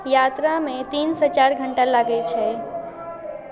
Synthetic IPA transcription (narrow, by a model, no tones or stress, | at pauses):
jat̪ɾamẽt̪inset͡ʃaɾɡʱəɳʈalaɡɛt͡ʃʰɛ